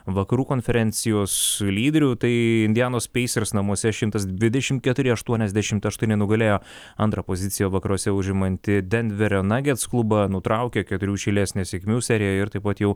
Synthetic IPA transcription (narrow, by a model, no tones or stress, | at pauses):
ʋɐkɐɾuːkoːnʲfʲɛɾʲɛnʲsʲɪjoːslʲiːd̪ʲɛɾʲuːt̪ɐɪɪnʲd̪ʲɪjæːnoːspʲɛɪsʲɛɾsnɐmuɔsʲɛʃʲɪmt̪ɐsd̪ʲʋʲɪd̪ʲɛʃʲɪmt̪̚kʲɛt̪ʊɾʲɪɐʃt̪uɔnʲɛzd̪ʲæʃʲɪmt̪ɐʃt̪unʲɪnʊɡɐlʲeːjoː | ɐnt̪ɾɐpoːzʲɪt̪sʲɪjɛʋɐkɐɾuɔsʲɛʊʒʲɪmɐnʲt̪ʲɪd̪ʲɛnʲd̪ʲʋʲɛɾʲonɑːɡʲɛt̪sklˠʊbɐnʊt̪ɾɐˑʊkʲɛkʲɛt̪ʊɾʲuːʃʲɛɪlʲæːsʲnʲeːsʲɛkʲmʲuːsʲɛɾʲɪjɛɪɾt̪ɐɪpɐt̪jɛʊ